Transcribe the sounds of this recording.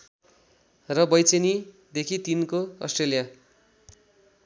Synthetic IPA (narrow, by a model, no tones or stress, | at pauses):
rʌbʌjt͡seni | d̪ekʰit̪inkoʌ̰sʈrelija